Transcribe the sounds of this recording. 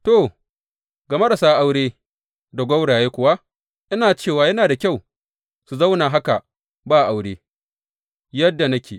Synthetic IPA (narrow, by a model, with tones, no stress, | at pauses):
to˨ | ɡɐ˨me˦da˨saː˦ʔa˦wɽeː˦ | da˨ɡʷɐ˦wɽaː˨jeː˦kʷʊ˨wa˦ | ʔɪ˦naː˨t͡ʃeː˦˨waː˨jɐ˦naː˨da˨kʲa˦˨w | su˨za˦wnaː˨ɦa˦ka˨ | baː˦˨ʔa˨wɽeː˦ | jɐ˦dːa˨nɐ˦kʲeː˨